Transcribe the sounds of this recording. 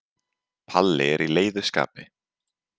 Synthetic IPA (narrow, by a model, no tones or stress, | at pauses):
pʰalːɪɛɾileːjðʏska̰ːpɪ